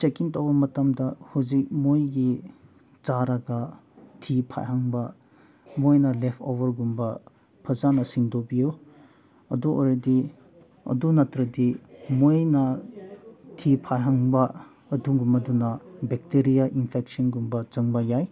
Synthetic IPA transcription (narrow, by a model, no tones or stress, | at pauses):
t͡ʃekintɐwbɐmɐtɐmdɐhuzik̚mojɡi | t͡ʃaɾɐɡɐ | tʰipʰa̰jhaŋbɐ | mojnɐlepʰowɐɾɡumbɐ | pʰɐzanɐsiŋdobijo | ɐ̰duʔo̰ɾedi | ɐ̰dunɐtɾɐdimojnɐ | tʰipʰajɦaŋbɐː | duŋɡumɐdunɐbek̚teɾijaʔinpʰek̚sɐnɡumbɐt͡ʃɐŋbɐjaj